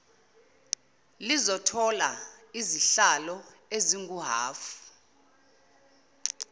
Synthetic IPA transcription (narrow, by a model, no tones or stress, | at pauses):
lizɔtʰɔla̰iziɬalɔeziŋɡuɦa̰ːfu̥